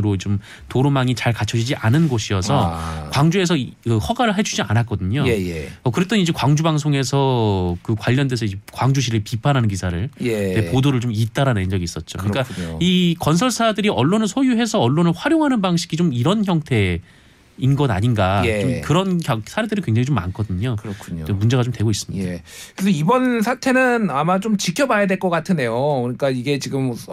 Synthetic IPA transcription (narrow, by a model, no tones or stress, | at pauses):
ɯɾot͡ɕom | toɾomaŋit͡ɕaɭkat͡ɕʰʌd͡ʑid͡ʑiʔa̰nɯnɡoɕʰiʌsʰʌkwaŋd͡ʑue̞s̬ʰʌkɯhʌɡaɾɯɭɦat͡ɕʰud͡ʑia̰nak͈ʌdɯɲojʌkɯɾe̞t͈ʌnid͡ʑe̞kwaŋd͡ʑubaŋsʰoŋe̞sʰʌkɯkwaʎːʌndesʰʌid͡ʑekwaŋd͡ʑuɕ̬ʰiɾɯɭpipʰanɦanɯnk̬isʰaɾɯɭepodoɾɯɭt͡ɕomit̚t͈aɾanend͡ʑʌɡiːs͈ʌt̚t͡ɕ͈o̰kɯɲik͈aikʌnsʰʌɭsʰadɯɾiʔʌɭːonɯɭsʰojuɦe̞sʰʌːɭːonɯɭɸwaɾjoŋɦanɯnbaŋɕʰi̥ɡit͡ɕomiɾʌnçjʌŋtʰe̞ | inɡʌna̰ɲinɡaet͡ɕomkɯɾʌnkjʌsʰaɾe̞dɯɾinkwe̞ŋd͡ʑaŋit͡ɕomːa̰nkʰʌdɯɲokɯɾʌkʰuɲoemund͡ʑe̞ɣat͡ɕomtwe̞ɡois͈ɯmɲidkɯɾesʰʌibʌnsʰatʰe̞nɯnamat͡ɕomt͡ɕikʰjʌbajadweɭk͈ʌk͈atʰɯnde̞jokɯɲik͈aiɡe̞t͡ɕiɡɯm